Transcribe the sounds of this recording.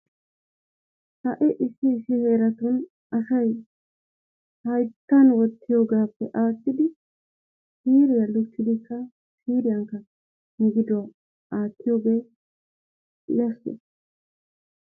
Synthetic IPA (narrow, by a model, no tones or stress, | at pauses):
hɐʔɛʔɪsɪːsɪhe̞ːɾɐt̪ʊn | ɐsɐj | hɐjt̪ːɐnwɔt̪ːɪjo̞ːɡaːpːɛʔaːt̪ːɪd̪ɪ | siːɾɪjɐlʊt͡ʃːɪd̪ɪkːɐ | siːɾɪjɐŋkːɐ | ɡɪd̪ʊwɐ | aːt̪ːɪjo̞ːɡe̞ː | lɐst̪ɛ̰